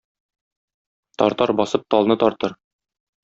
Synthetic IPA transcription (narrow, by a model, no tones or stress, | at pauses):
t̪ɒ̰ɾt̪ɑɾbɒsɤp̚t̪ɒlˠnɤt̪ɒɾt̪ɤɾ